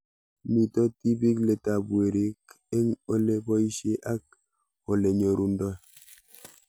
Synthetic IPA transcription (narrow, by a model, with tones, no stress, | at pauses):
ni˨tɔ˦ti˦bi˦kle˨ta˨bwe˨ɾi˦k | e˦ŋo˦le˦bɔ˦i˦ʃe˦ʔa˦k̚ | o˨le˨ɲo˨ɾu˨ndɔ˦